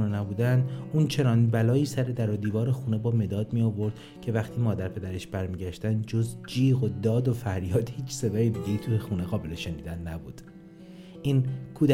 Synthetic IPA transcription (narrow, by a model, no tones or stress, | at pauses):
unenæbuːd̪ænd̪uːnt͡ʃʰe̞nɒːnbælɒːiːsæɾe̞d̪æɾod̪iːvɒːɾexuːne̞bɒːme̞d̪ɒːd̪mijɒːvo̞ɾd̪̥ | cʰe̞væχt̪ʰiːmɒːd̪æɾpʰe̞d̪æɾeʃb̥æɾmiːɟæʃt̪ænd̪d͡ʒozd͡ʒiːɣod̪ɒːd̪o̞fæɾjɒːd̪hiːt͡ʃʰse̞d̪ɒːjed̪iːɟejit̪ʰujexuːneɣɒːbe̞le̞ʃeniːd̪ænːæbuːd̪̥ | ʔiːnkʰuːd̪æ